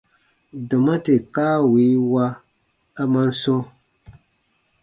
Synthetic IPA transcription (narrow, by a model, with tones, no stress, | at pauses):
dɨ˨ma˦te˨kaː˦wi˨˦wa˦ | a˦ma˦n˦so˦